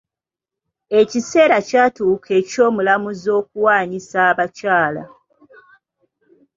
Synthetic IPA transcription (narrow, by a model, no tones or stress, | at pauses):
e̞cise̞ːɾacaːtuːkʰe̞ːco̞ːmulamuzo̞ːkuwaːɲisaːβacaːla̰